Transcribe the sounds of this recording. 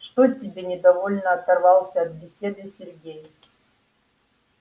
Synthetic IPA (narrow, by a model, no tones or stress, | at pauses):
ʂt̪otʲɪbʲenʲɪd̪ɐvolʲnəɐt̪ɐrvɑlˠsʲəɐt̪̚bʲɪsʲed̪ɨsʲɪrɡʲejɪf